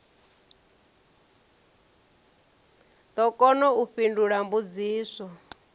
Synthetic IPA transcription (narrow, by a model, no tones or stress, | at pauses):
t̪ɔkɔnɔuɸinduɺambud͡ziːsɔ